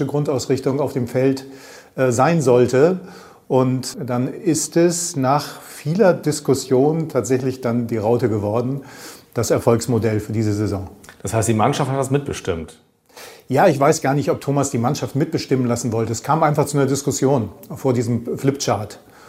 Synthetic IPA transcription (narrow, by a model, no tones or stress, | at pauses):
əɡʁʊntaʊsʁɪçtʊŋaʊfd̥eːmfɛlt | ʔːzaɪnzɔltə | ʔʊntd̥anɪstɛsnaːχfiːlɐdɪskʊsjoːntʰaːtz̥ɛçlɪçd̥andiːʁaʊtəɡəvɔɐdn̩d̥asɛɐfɔlksmodɛlfyːɐdiːzəzezɔ̃ŋd̥ashaɪstd̥iːmanʃafthatd̥asmɪt̚b̥əʃtɪmt | jaːɪçv̥aɪsɡ̥aːɐnɪçtɔp̚tʰoːmasd̥iːmanʃaftmɪt̚b̥əʃtɪmənlasn̩vɔltəɛskʰaːmʔaɪnfaχt͡sunːɐdɪskʊsjoːnfoːɐdiːzəmflɪpt͡ʃaɐt